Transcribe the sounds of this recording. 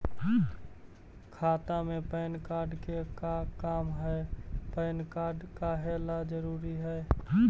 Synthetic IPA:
kʰaːt̪amẽpəːnkaːɾɖkekakaːmɦɛpəːnkaːɖkaɦelad͡ʒəɾuːɾiɦɛː

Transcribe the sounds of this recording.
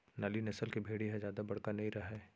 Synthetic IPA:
naːlinɐsəlkibʱeːɽiɦɛzjaːd̪abɐɽ̤kanɐɦĩɾɐɦɛː

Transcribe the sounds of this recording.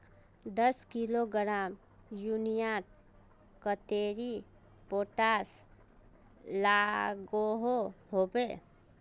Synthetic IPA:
d̪əskiloɡəɾam | junijaʈ | kət̪eɾi | poʈas | laɡoɦoɦobe

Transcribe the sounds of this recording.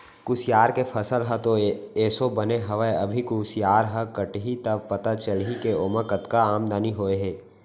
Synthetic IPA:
kusijaːɾkepʰəsəlɦət̪oeːsobəneɦɐʋəɐbʱikusijaːɾɦəkəʈɦit̪ɐbpɐt̪at͡ʃəlɦikeoːməkət̪kaaːmd̪aːniɦoːeɦɛː

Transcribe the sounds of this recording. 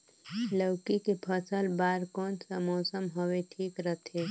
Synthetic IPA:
ləʊkikepʰəsəlbaːɾkɔːnsamɔːsəmɦoweʈʰiːkɾət̪ʰeː

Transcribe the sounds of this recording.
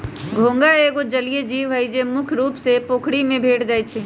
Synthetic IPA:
ɡʱõːŋɡaeːɡod͡ʒəlijed͡ʒiːʋɦəjd͡ʒemʊkʰɾuːpsepoːkʰɽimẽbʱeːʈd͡ʒaːjt͡ʃʰeː

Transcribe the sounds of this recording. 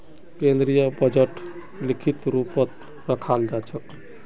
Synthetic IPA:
kẽnd̪ɾijəbəd͡ʒəʈ | likʰit̪ɾupət̪ | ɾəkʰald͡ʒat͡ʃʰək

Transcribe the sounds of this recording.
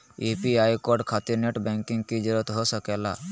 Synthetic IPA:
epiaːjkoɾɖkʰat̪iɾneʈbɛ̃ŋkɪ̃ŋɡkid͡ʒəɾət̪ɦosəkela̰ː

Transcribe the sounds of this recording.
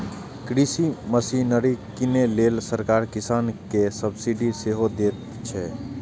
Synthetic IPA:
kɾisiməsinəɾikinelelsəɾkaɾkisaːnkesəbsiɖiseɦod̪et̪ | t͡ʃʰɛ

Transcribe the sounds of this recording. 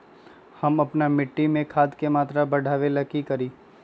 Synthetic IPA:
hɐmɐpnamɪʈːimẽkʰaːd̪kemaːt̪ɾabɐɽ̤ʱaːʋelɐkikɐɾiː

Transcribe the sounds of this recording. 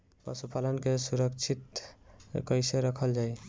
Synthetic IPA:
bə̰supalənkesuɾəkt͡ʃʰit̪ | kəjseɾəkʰəld͡ʒaj

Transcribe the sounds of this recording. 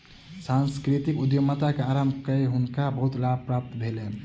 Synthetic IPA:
sanskɾit̪ikud̪jomat̪akeaɾambʱkəeɦunkabəɦut̪lab̚pɾap̚t̪bʱele

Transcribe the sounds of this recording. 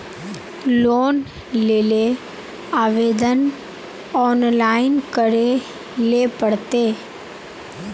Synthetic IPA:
loːn | leːle | aːʋeːd̪ən | ɔːnlaːɪnkəɽe | lepəɽt̪eː

